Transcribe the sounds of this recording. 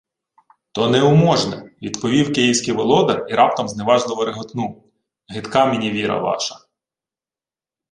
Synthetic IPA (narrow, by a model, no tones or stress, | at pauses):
t̪ɔnɛʊmɔʒnɛ̰ʋʲid̪pɔʋʲiwkejiwsʲkʲiʋɔlˠɔd̪ɐiɾɑp̚t̪ɐmzneʋɑʒlˠɪʋɔɾeɦɔt̪nu | ɦɪt̪kɑminʲiʋʲiɾɐ̰ʋɑ̰ʃɐ̥